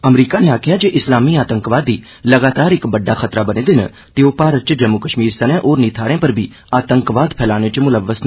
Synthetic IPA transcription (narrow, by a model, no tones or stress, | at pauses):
ɐmɾiːkaneaːkʰɪjad͡ʒeːʔɪslaːmiaːt̪ə̃ŋkʋaːd̪ːiː | lɐɡaːt̪aːɾɪkbɐɖːaxɐt̪ɾabɐnẽːd̪ɪn̰ | t̪eoːpaːɾət̪̚t͡ʃəd͡ʒɐmːukəʃmiːɾsɐnẽʔoːɾniːt̪ʰaːɾẽːpɐɾbʱi | aːt̪ə̃ŋkʋaːd̪pʰɛːlaːnet͡ʃəmʊləʋːəsn